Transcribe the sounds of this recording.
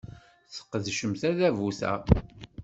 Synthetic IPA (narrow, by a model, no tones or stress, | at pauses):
θə̥qːəðʃəmθæðævuθæ̰